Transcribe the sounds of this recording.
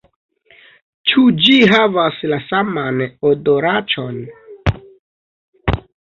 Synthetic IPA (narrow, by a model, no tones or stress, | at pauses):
t͡ʃud͡ʒiɦavaslasamanodoɾat͡ʃon